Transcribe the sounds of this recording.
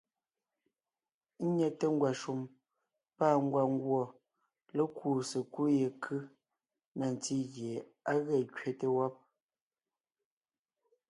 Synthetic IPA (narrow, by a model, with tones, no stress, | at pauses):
ɲɛ˨te˦ŋ̩˦ɡwa˨ʃu˨m | paː˦˨ŋ̩˦ɡwa˨ŋ̩˦ɡwɔ˨ | le˦kuː˦˨se˨ku˦je˨kʰɯ˦ | na˨n˨ti˦ɣje˨ | a˦ɣɛ˦˨kɥe˨te˦wɔ˦p̚